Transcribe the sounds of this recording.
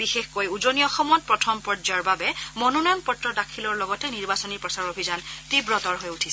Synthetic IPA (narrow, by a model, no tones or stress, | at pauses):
bixexkojuzoniɔxɔmɔt̚pɹɔtʰɔmpɔɹd͡ʒaɹbabɛmɔnunɔjɔnpɔtɹɔdakʰilɔɹlɔɡɔtɛniɹbasɔniɹpɹɔsaɹobʱizantibɹɔtɔɹɦojutʰis